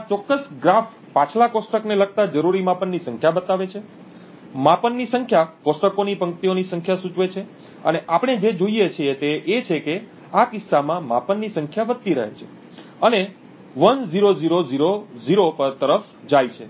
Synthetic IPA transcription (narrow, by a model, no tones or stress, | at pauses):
at͡ʃɔkːəsɡɾaf | pat͡ʃʰlakosʈəknelək̚t̪ad͡ʒəɾuɾimapənːisə̃ŋkʰjabət̪aʋet͡ʃʰe | mapənːisəŋkʰjakosʈəkonipə̃ŋkt̪ionisəŋkʰjasut͡ʃʋet͡ʃʰe | əneʔapəɳ̃ed͡ʒed͡ʒoiet͡ʃʰiet̪eʔːt͡ʃʰeke | akɪsːamãma̰pənːisə̃ŋkʰjaʋəd̪̚t̪iɾə̰ɦḛt͡ʃʰe | əne | ʋənziɾoziɾoziɾoziɾopəɾt̪əɾəf | d͡ʒajt͡ʃʰe